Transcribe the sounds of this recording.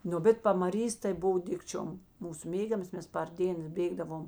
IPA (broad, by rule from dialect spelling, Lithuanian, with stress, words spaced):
ˈnʊ bʲɛt pɐmɐˈrʲiːs tɐɪ ˈbʊw ˈdʲɪkt͡ʃʲoːm ˈmuːsʊ ˈmʲeːɡʲɛmɐs ˈmʲɛs pɐr ˈdʲeːns ˈbʲeːɡdɐʋoːm